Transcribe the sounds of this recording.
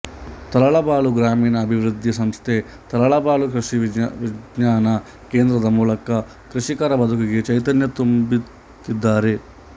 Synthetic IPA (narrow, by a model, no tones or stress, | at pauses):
t̪ɐlɐɭɐbaːɭuɡɾaːmiːnɐːbʱiʋɾud̪ʱːjɐsɐmst̪ʰe | t̪ɐlɐɭɐbaːlukɾɐʂiʋiɲaːnɐ | keːnd̪ɾɐd̪ɐmuːlɐkɐ | kɾuʃikaːɾɐbɐd̪ʱukɐɡet͡ʃɐjt̪ɐnjɐt̪umbi | t̪id̪ːaːɾe̞